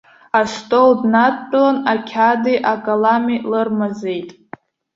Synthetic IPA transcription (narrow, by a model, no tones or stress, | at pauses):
arstʼoldnatpʼlanakʲʰadiʔaɡʼalamilɨrmaze̞jtʼ